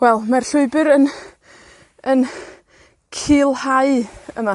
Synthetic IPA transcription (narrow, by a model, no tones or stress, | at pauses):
wɛlˠmarɬʊɨbɨɾən | ən | kʰiːlˠhaɨəma